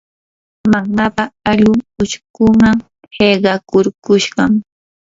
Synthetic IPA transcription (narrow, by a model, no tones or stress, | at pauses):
maŋmapaaʎʊŋʊʃkʊmaŋ | heɢɑkʊɾkʊʃɢɑŋ